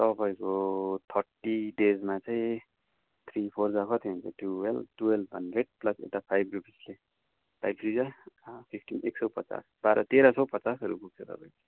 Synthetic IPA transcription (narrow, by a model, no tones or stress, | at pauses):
t̪ʌpaĩkot̪ʰʌrʈiɖed͡zmat͡saĩ | t̪ʰripʰord͡zakʰʌt̪ʰeɦʌnt͡sʰʌʈuwelb̚ʈuelbʌ̰neʈ̚plʌsḛwʈapʰajbrupisle | pa̰jbrid͡zapʰipʰʈineksʌwpʌt͡sa̰sbaɾʔʌt̪eɾʌsʌwpʌt͡sasʌɾṵpuk̚t͡sʰʌt̪ʌ̰paj̃ke